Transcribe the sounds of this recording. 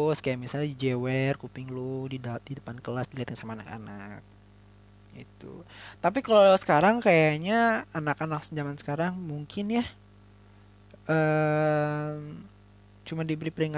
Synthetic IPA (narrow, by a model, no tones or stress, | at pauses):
skajamisalɲadid͡ʒewɛrkupɪŋlodiddidəpankəlasdiliat̪jaŋsamaːna̰ka̰na̰k̚ | ḭt̪ṵt̪ap̬ikalalasə̥kaɾaŋkajaɲaanakanak̚səɲd͡ʒamansə̥kaɾaŋmuŋkʰɪnja | ʔə | m | t͡ʃumandibəɾipəɾiŋa